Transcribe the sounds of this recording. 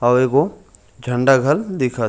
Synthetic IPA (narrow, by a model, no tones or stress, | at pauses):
ɐʋeko | d͡ʒʱɐ̃ɳɖaɡʱɐld̪ɪkʰa